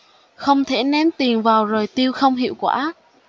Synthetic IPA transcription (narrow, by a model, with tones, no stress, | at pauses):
xə˧wŋ͡mt̪ʰe˧˩nɛ˨˦nt̪i˨˩ənvaː˨˩wzo˨˩jt̪i˧əwxə˧wŋ͡mɦḭ˧˨wkwa̰ː˧˥